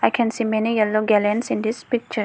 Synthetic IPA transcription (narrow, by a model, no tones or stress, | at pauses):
ajkʰɛ̃nsiːmɛnijɛlːoɡɛlɛnsĩnd̪ispik̚t͡ʃə